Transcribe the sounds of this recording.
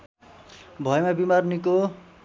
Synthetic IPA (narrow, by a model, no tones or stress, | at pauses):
bʱʌjmabimarniko